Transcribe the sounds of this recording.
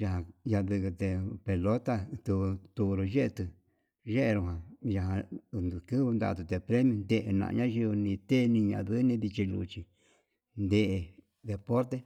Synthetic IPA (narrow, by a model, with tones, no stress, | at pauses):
ja˨ɦã˧ja˧d̪ɨ˧kɨ˧t̪e˧pe˧lo˦t̪a˦t̪u˧t̪u˧ɾo˧ʒe˦ʔe˧t̪ɨ˧ | ʒe˦ʔe˧ɾu˧ɦã˨ja˧ɦã˧nd̪u˨kɨ˦βɨ˧nd̪a̰˦˧t̪̬u˧t̪e˧pɾe˦mj̃õ˧nd̪e˧˨ʔe˨nã̰˧ʔɲã˦ʒi˧βɨ˧nĩ˧t̪e˦˧nĩ˧ɲã̰˧ʔðɨ˦nĩ˧ði˧t͡ʃi˧lṵ˧t͡ʃi˧ | nd̪e˧ʔe˧ | ðe˨po˦ɾt̪e˦